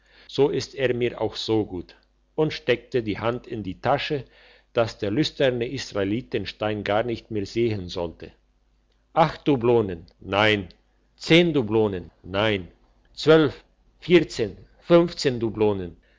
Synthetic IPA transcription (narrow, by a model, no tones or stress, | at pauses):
z̥oːʔɪsteːɐmiːɐʔa̰ʊxz̥oːɡuːt | ʔʊntʃtɛk̚tədiːhantʰɪndiːtʰaʃə | d̥asd̥eːɐlʏstɛʁnəʔisʁ̥aeliːt̚dənʃtaɪnɡaːɐnɪçtmeːɐzeːɦənzɔltʰə | ʔaxt̚d̥ubloːnənːaɪn | t͡seːndubloːnənːaɪn | t͡sv̥œlf | fiːɐt͡seːn | fʏnft͡seːndubloːnən